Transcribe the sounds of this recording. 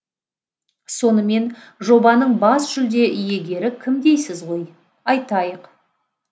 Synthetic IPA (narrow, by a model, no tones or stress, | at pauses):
so̞nəme̞nʒo̞bɑnəɴbɑsʒ̥ʏld̪e̞ʔʏje̞ɡʲe̞ɾɪkʲʰɪmd̪e̞jsɪzʁo̞j | ɑjt̪ɑjəq